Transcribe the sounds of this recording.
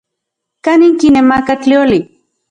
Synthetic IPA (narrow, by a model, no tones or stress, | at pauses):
kaniŋkinemakaklioli